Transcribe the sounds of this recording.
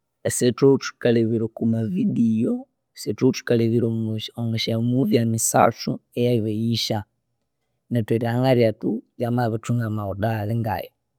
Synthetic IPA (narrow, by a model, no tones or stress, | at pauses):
esetotu̥kaleβiɾokumavidijo | setotu̥kaleβiɾooŋɡaʃamuviamisa̰t͡suejaiβajiʃa | natweɾehaŋɡaɾiatujamaβat͡ʃuŋamaudaleŋɡa̰je